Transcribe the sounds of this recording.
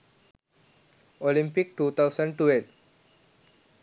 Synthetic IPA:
olĩmpik̚ʈut̪ʰawsəɳɖʈuel

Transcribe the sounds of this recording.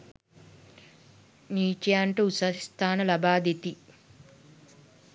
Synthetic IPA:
niːt͡ʃjaːɳʈuusɐst̪ʰaːnɐlɐbaːd̪et̪i

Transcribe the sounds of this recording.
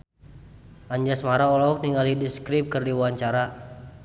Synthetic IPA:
ʔaɲd͡ʒasmaɾaɔlaɔk̚niŋalidiskɾip̚kɨrdiwaɲt͡ʃaɾa

